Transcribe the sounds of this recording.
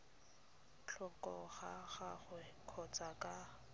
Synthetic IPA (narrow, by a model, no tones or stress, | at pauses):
t͡ɬʰɔkʼɔɣaɣaχʊ | kʰɔt͡sʼakʼa